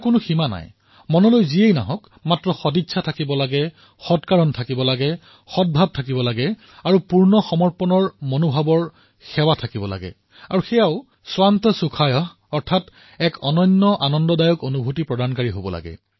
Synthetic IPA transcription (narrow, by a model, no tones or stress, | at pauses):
kʊnʊximana̰j | mɔnɔlojziejna̰ɦɔk | matɹɔxɔditsʰatʰakibɔlaɡɛ | xɔtkaɹɔntʰakibɔlaɡɛ | xɔd̚bʱab̚tʰakibɔlaɡɛ | aɹupuɹnɔxɔmɔɹpɔnɔɹmonobʱabɔɹ | xɛwatʰakibɔla̰ɡɛ̰ | aɹuxɛjaʊ | swant̪ɔsukʰajɔɦ | ɔɹtʰat | ɛkɔnɔɲːɔʔanɔndɔdajɔkonubʱutipɹɔdankaɹiɦobɔ̰la̰ɡɛ̰